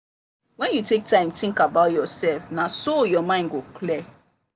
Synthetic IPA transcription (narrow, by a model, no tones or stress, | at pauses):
wɛ̃njutʰek̚tʰãɪ̃mtĩŋkabaʊtjɔsɛlfnasojɔmãɪ̃ndɡokʰlɛ